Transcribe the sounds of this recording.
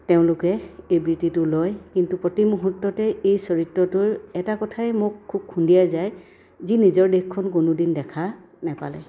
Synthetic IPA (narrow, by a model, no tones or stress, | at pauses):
teʊ̃lʊkɛejbɹititʊlɔjkintupɹɔtimuɦutːɔtɛejsɔɹitɹɔtʊɹɛtakɔtʰajmʊkʰːub̚kʰundijazaj | zinizɔɹdekkʰːɔnkʊnʊdindɛkʰa | nɛpa̰lɛ